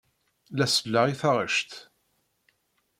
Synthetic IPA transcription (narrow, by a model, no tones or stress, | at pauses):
læsəlːaʁiθaʁə̰ʃt̪